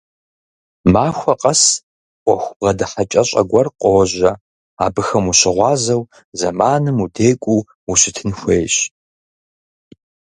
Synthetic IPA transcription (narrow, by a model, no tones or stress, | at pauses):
maːxʷɐqʼɐs | ʔʷʼɔxʷʊbʁɐdɐħɐt͡ʃʼɐɕʼɐ̰ɡʷɐrqʼowʑɐ | a̰ːbɨxɐmuɕɪʁʷɑːzɐw | zɐmaːnɨmudeːkʷʼuː | uɕɪtʰɨnxʷeːjɕ